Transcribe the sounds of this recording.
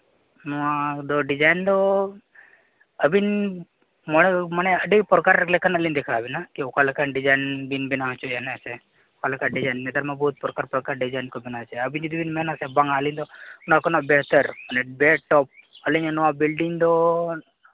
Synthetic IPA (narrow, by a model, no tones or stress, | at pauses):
nuad̪oɖid͡ʒajnd̪o | əbin | məɳeməneəɖipəɾkaɾeklekənəlĩnd̪ekʰabinakeokʰalekanɖid͡ʒajnbinbinat͡ʃʰoeneəse | okʰaləkaɖid͡ʒajnmet̪əɾmãboɦut̪̚pɾkaɾpəkaɾɖid͡ʒajnkobinaʋt͡ʃʰeəbind͡ʒid̪ibinmenasebãŋɡalĩnd̪onakonabeɦt̪əɾənebeʈɔp̚əliɲanuʋãbilɖiŋd̪o